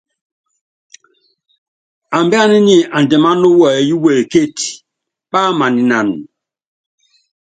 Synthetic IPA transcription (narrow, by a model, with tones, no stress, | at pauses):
a˨mbi˦a˦ni˦ni˨a˨n˨dɛ˨ma˦no˦wɔ˨e˨ju˦we˨lke˦˨t | ɓa˦ma˨ni˨na˨n